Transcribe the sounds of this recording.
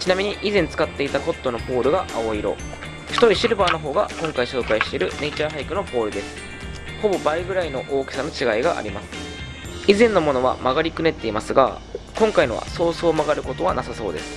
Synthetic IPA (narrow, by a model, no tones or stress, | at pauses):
t͡ɕinamʲiɲ̟iʔizẽ̞nt͡sɨ̥kat̪ːe̞it̪ako̞t̪ːo̞no̞po̞ːɾɯ̟ɡaʔaoiɾo̞̰ | çi̥t̪o̞ɾʲiɕiɾɯ̟baːno̞ɦo̞ːɡakõ̞ŋkaiɕo̞ːkaiɕi̥t̪eɾɯ̟ne̞it͡ɕaːɦaikɯ̟no̞po̞ːɾɯ̟d̪e̞sɨ̥ | ho̞bo̞baiɡɯ̟ɾaino̞ʔoːke̥sano̞t͡ɕiɡaiɡaʔa̰ɾʲimasɨ̥ | izẽ̞nːo̞mo̞no̞βa̰maɡaɾʲikɯ̟ne̞t̪ːe̞imasɨɡa̰ | kõ̞ŋkainoβa̰so̞ːsoːmaɡaɾɯ̟ko̞t̪o̞βanasaso̞̰ːd̪e̞sɨ̥